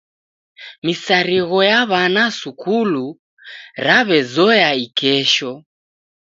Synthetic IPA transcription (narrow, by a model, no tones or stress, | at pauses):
misaɾiɣɔjaβanasukulu | ɾaβɛzɔjaikɛʃɔ